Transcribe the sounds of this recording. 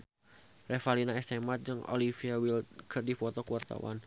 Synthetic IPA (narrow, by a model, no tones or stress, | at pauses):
refalinaɛst̪emat̪̚d͡ʒɨŋo̰lifiawilkərdifɔt̪ɔkuwart̪a̰wa̰n